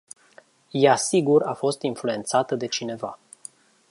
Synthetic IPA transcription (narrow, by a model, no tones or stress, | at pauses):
jasiɡuɾafo̞st̪influe̞nt̪sat̪əd̪e̞t͡ʃine̞va̰